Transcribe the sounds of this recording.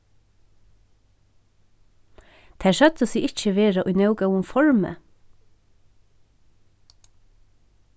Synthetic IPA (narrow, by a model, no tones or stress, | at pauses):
t̪ʰæːʃœt̪əsiːʔɪc͡çəʋeːɹɑʔʉnɑʉɡɑʊʊmfɔɹmə̰